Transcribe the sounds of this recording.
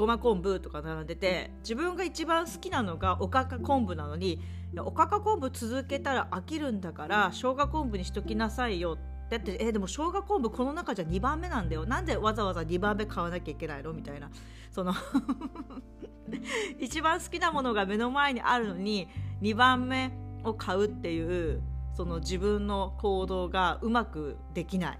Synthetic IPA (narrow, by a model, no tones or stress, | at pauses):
ɡ̥o̞makõ̞mbɯ̟t̪o̞kanaɾãnd̪e̞t̪e̞ | d͡ʑibɯ̟̃ŋɡait͡ɕibãɰ̃sɨ̥kʲinano̞ɡaʔo̞kakakõ̞mbɯ̟nano̞ɲ̟i | jaʔo̞kakakõ̞mbɯ̟t͡sɨzɨke̞t̪aɾaʔakʲiɾɯ̟̃nd̪akaɾaɕo̞ːɡakõ̞mbɯ̟ɲ̟içi̥t̪o̞kʲinasaijo̞t̪ː | ejat̪ːeed̪e̞mo̞ɕo̞ːɡakõ̞mbɯ̟kʰo̞no̞nakaʑaɲ̟ibãmːe̞nãnd̪ajo̞nãnd̪e̞βazaβazaɲ̟ibãmːe̞kʰaβanakʲaikʲe̞naino̞mʲit̪aina | so̞no̞ | it͡ɕibãɰ̃sɨ̥kʲinamo̞no̞ɡame̞no̞mae̞ɲ̟iʔaɾɯ̟no̞ɲ̟iɲ̟ibãmːe̞o̞kʰaɯ̟t̪ːe̞jɯ̟ːso̞no̞d͡ʑibɯ̟̃nːo̞ko̞ːd̪o̞ːɡaɯ̟makɯ̟ | d̪e̞kʲinaḭ